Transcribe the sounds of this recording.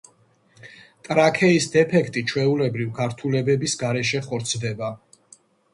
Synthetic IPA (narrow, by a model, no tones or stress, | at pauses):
t̪ʼɾakʰɛisd̪ɛpʰɛkʰt̪ʼit͡ʃʰwɛulɛbɾivɡaɾt̪ʰulɛbɛbisɡaɾɛʃ̬ɛχɔɾt̪sʰd̪ɛba